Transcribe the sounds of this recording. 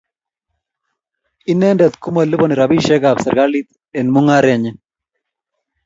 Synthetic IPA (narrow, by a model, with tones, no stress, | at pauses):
inɛ˦ndɛ˨t̪ku˦mə˨lːu˦bɔni˨ɾabiʃɛ˦ɡabsə˨ɾɡa˦li˦t̪ | ɛnmu˦ŋa˦ɾeɲe